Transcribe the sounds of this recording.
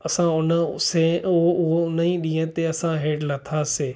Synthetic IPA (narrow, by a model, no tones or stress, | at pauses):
ɐsãʊnəseoʊɦoʊnĩɗĩːə̃t̪eɐsãɦeːɖlɐt̪ʰaːseː